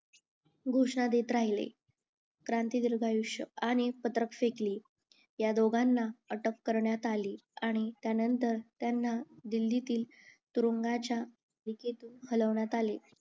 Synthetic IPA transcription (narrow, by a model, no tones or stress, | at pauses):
ɡʱoʂɳad̪et̪ɾaɦilḛ | kɾant̪id̪iɾɡʱajuʂəaɽ̃ipət̪ɾəkfekliː | jad̪oɡanːaəʈəkːəɾɳjat̪aliːaɽ̃it̪janənt̪əɾt̪janːad̪ilːit̪iːl | t̪uɾuŋɡat͡ɕja | d̪iket̪uːnhələʋɳjat̪ale